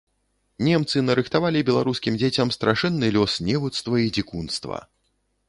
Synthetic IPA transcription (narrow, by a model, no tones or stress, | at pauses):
nʲɛmt̪sɨnɐɾɨxt̪avalʲibʲɛlˠaɾuskʲimd͡zʲet͡sʲɐmst̪ɾaʂɛnːɨlʲɔsnʲɛvut̪st̪vɐid͡zʲikunst̪vɐ̰